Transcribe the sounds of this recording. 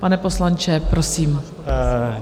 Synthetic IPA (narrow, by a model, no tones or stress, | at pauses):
panɛpo̞slant͡ʃɛpɾosiːm